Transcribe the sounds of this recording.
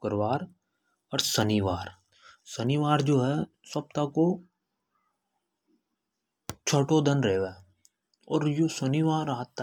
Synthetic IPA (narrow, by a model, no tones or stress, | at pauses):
kəɾʋaːɾ | ɔɾsəniʋaːɾ | səniʋaːɾd͡ʒoːɦɛ | sɐp̚t̪ako | t͡ʃʰəʈod̪ə̃nɾeʋe | ɔ̰ːɾjoːsəniʋaːɾaːɦt̪ːa